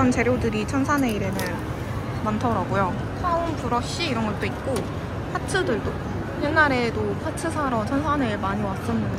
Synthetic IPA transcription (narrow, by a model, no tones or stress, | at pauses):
ant͡ɕeɾjodɯɾit͡ɕʰʌnsʰane̞iɾenɯn | mantʰʌɾaɡojo | kʰaumpuɾʌɕ͈iːɾʌnɡʌɭt͈oit̚k͈o | pʰatʰɯdɯɭdo | jenːaɾe̞dopʰatʰɯsʰaɾʌmt͡ɕʰʌnsʰanemaɲiwas͈ʌnːɯna